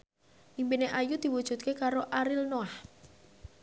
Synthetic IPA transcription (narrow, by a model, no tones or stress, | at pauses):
ʔimpineʔajud̪̥i̤wud̥ʒ̥ṳt̪̚kekaɾoʔaɾilnoah